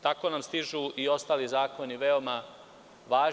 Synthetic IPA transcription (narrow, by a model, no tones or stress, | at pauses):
t̪ako̞namst̪iʒuio̞st̪aːlizaːko̞niʋe̞oma | ʋaːʒ